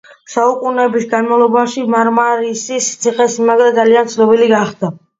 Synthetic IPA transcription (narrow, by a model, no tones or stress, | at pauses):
saukʼunɛbisɡanmavlˠɔbaʃimaɾmaɾisist̪sʰiχɛsimaɡɾad̪zaliant̪sʰnɔbiliɡaχd̪a